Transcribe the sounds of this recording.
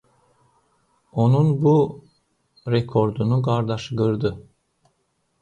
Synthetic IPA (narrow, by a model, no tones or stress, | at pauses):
o̞nunbu | ɾɛkʰo̞ɾd̪unuɡaɾd̪aʃɡɯɾd̪ɯ